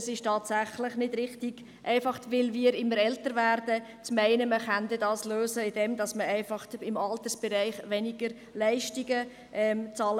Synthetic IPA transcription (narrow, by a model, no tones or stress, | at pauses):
sɪʃtɑːtsæχləχnɪd̥ɾɪχtiɡ̥ | ʔæɪfɑχtʋɪlʋiːɾɪmːəɾɛltəɾʋæːɾdə | t͡smæɪnəməχand̪ədɑːsløːsəɪd̥ɛmdɑsməæɪfɑχtɪmɑlt̪əsb̥ɛɾæɪχʋɛniɡ̥əɾ | læɪʃtiɡə | ʔɛmt͡sɑːl